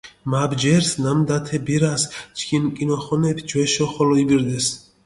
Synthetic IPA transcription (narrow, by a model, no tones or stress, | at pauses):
mabd͡ʒɛɾsnamd̪at̪ʰɛbiɾast͡ʃʰkʰinkʼinɔχɔnɛpʰd͡ʒwɛʃɔχɔlɔibiɾd̪ɛs